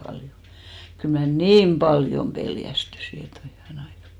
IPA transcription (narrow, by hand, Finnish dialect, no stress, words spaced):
b̥ɑljo kyl mæ niːm b̥ɑljom peljæstysi et oi hyʋæne ɑikɑ